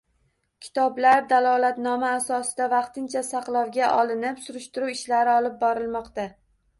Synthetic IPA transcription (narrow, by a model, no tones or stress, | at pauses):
kʲʰɪ̥t̪ʰɒblaɾd̪alˠɒlat̪nɒmaːsɒsɪd̪avɑqt̪ɪnt͡ʃʰasaqlˠɒwɡʲaʔɒlˠɪnɪpsʊɾʊʃt̪ɪɾuwɪʃlaɾɪɒlˠɪp̚bɒɾɪlˠmɒqt̪a